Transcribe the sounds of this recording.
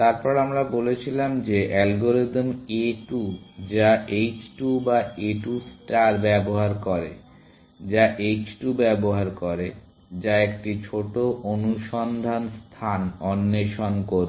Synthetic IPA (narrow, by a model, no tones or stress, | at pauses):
t̪aɾpɔɾamɾabolet͡ɕʰilamd͡ʑeʔɛlɡoɾid̪meʈud͡ʑaʔet͡ɕʈubaeʈusʈaɾbɛboɦaɾkɔɾḛ | d͡ʑaʔet͡ɕʈubɛboɦaɾkɔɾe | d͡ʑaekʈit͡ɕʰoʈoʔonuʃɔnd̪ʱanst̪ʰanɔnːeʃonkoɾ